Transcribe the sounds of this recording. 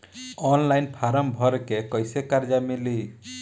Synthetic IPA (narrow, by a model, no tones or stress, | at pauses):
ɔnlajnpʰaɾɔmbʱɔɾkekɔjsekaɾd͡ʒamili